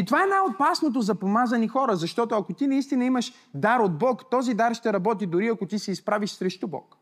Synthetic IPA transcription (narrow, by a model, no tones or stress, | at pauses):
it̪ovaɛnajot̪̚pasnot̪̬ozɐpomazɐnixɔɾəzɐʃt̪ɔt̪ʊɐkot̪inɐist̪inɐimɐʃ | d̪aɾod̪̚bɔkt̪ɔzid̪aɾʃt̪ɛɾɐbɔt̪̬id̪ʊɾiɐkot̪isɛispɾaviʃsɾɛʃt̪ubɔ̰k